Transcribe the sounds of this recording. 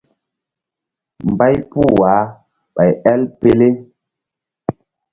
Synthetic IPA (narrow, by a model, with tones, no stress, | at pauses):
m˨ba˦jpu˦˨wa˨˦ | ɓa˨jɛ˦lpe˦le˦